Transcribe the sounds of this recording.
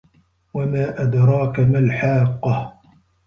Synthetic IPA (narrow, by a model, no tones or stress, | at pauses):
wamaːʔad̪ɾˤɑːkamalħaːqːɑh